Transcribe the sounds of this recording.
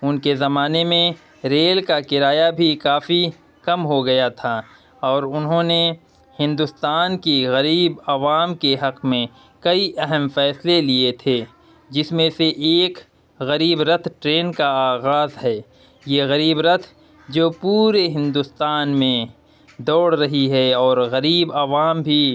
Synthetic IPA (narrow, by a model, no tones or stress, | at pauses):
ʊnkezɐmaːnemẽ | ɾeːlkakɪɾaːjabʱikaːfi | kɐmɦoɡɐjat̪ʰaː | ɔːɾʊnɦõne | hɪ̃nd̪ʊst̪aːnkiɣɐɾiːbɐʋaːmkeɦɐqmẽ | kɐiʔɛɦɛmfɛːsleliet̪ʰe | d͡ʒɪsmẽseʔeːk | ɣɐɾiːbɾɐt̪ʰʈɾeːnkaaːɣaːzɦɛː | jeːɣɐɾiːbɾɐt̪ʰ | d͡ʒoːpuːɾeɦɪ̃nd̪ʊst̪aːnmẽ | d̪ɔːɽɾɐɦiɦɛɔːɾɣɐɾiːbɐʋaːmbʱi